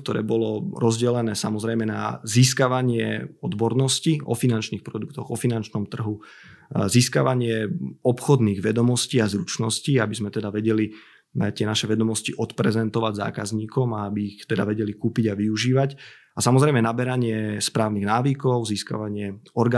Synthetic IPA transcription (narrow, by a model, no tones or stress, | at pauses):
kt̪ɔɾɛ̰ːbɔlɔɾɔzɟɛlɛnɛːsamɔzɾɛjmɛna̰ziskaʋaɲɪɛɔd̪bɔɾnɔsciɔ̰finant͡ʃniːxpɾɔd̪ukt̪ɔɣɔfinant͡ʃnɔmt̪r̩ɦu | ziska̰ʋaɲɪɛɔpxɔd̪niːɣʋɛd̪ɔmɔsciːazɾut͡ʃnɔsciabizmɛt̪ɛd̪aʋɛɟɛli | t̪ɪɛnaʃɛʋɛd̪ɔmɔsciʔɔt̪pɾɛzɛnt̪ɔʋaɟza̰ːkazɲiːkɔmaabiːxt̪ɛd̪aʋɛɟɛlikuːpiɟaʋiuʒiːʋac | asamɔzɾɛjmɛnabɛɾaɲɪɛspɾaːʊniɣnaːʋikɔʊziska̰ʋaɲɪɛɔɾɡa